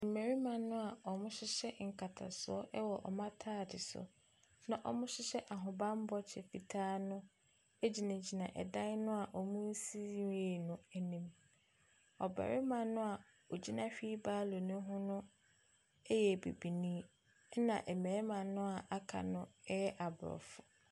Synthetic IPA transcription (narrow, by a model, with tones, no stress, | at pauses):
m̩˨mæ˨ɾi˦mã˨nʊ̃˦a˨ɔ˨mʊ̃˦ɕɪ˦ɕɛ˦ŋ̩˨kʰa˨tʰa̰˨sʊ˦ɔ˦ʔɛ˦wɔ˨ʔɔ̰˨mã˦tʰaː˦˨dɪ˨sʊ̰˨ | nã˦ʔɔ˦mʊ̃˦ɕɪ˦ɕɛ˦ʔa˨ɦʊ̃˨bã˦m˦bɔ˦t͡ɕʰɛ˨fi˨tʰaː˦nʊ̃˦ | e˦d͡ʑi˨nã˨d͡ʑi˨nã˨ʔɛ̰˨dã˦n˦nʊ̃˦a˨ʔɔ˨mũ˦n̩˦si˦i˦e˨nʊ̃˦ɛ˨nĩ˦m | ɔ˨ba̰˨ɾɪ˦mã˨nʊ̃˦a˨ | ɔ˨d͡ʑi˦nã˦ɕᶣi˦baː˦lo˨nʊ̃˦ɦʊ̃˦nʊ̃˦ | ɛ˦jɛ˨bḛ˨bi˨nĩː˦ | nã̰˨ʔɛ˨mɛ̃ː˨˦mã˨nʊ̃˦a˨ʔa˨kʰa̰˨nʊ̃˦ɛ˦jɛ˦ʔa˨bɔ̰˨fʊ˨